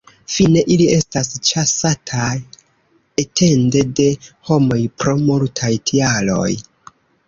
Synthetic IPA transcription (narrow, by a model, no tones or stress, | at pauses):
fine̞ʔilie̞stast͡ʃasatʰaj | etʰe̞nde̞de̞ho̞mo̞jpɾo̞multʰajtʰialo̞̰j